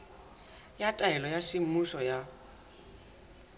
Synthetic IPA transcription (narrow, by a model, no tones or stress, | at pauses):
jatʼaɛlɔjasɪmuʃɔja